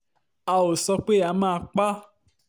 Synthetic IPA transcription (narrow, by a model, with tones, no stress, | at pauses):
a˧o˨sɔ˧k͡pe˦˨a˨˧˦mãː˦˧˦k͡pa˦